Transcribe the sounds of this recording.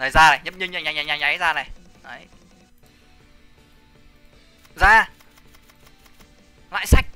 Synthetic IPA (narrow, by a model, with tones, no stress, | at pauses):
əː˨˩zaː˧na˨˩jɲ˦˥p̚ɲɨ˧ɲə˧˩ɲaː˨˩ɲaː˨˩ɲaː˨˩ɲa˨˦jzaː˧na˨˩j | ʔə˨˦j | zaː˧ | la̰ː˧˨jsa˦˥jk̟̚